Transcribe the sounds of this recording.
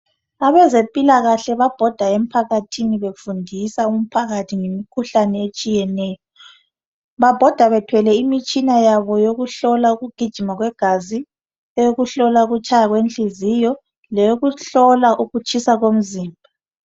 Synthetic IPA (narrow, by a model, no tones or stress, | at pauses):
aβɛzempʼilaɣaɬɛβab̥ʱɔd̥ʱaem̩pʰaɣatʰiniβefundʱisaum̩pʰaɣatʰiŋemikʰuɬanɛet͡ʃʼijɛnɛːjɔ | βab̥ʱɔd̥ʱaβɛtʰwɛlɛimit͡ʃʼinajaβɔjoɣuɬɔlauɣuɡ̥ʱid̥ʒ̥ʱimaɣwɛɡ̥ʱazi | ɛjoɣuɬɔlauɣut͡ʃʰʼajaɣwent͡ɬʼizijɔ | lɛjoɣuɬɔlaʔuɣut͡ʃʰʼisaɣom̩ziːmbʱa